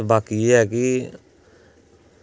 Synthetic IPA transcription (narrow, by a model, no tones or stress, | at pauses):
baːkieɦɛːki